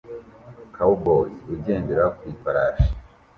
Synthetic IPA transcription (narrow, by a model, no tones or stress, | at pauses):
kʰaubouɟeːndeɾakwifaɾaːʃi̥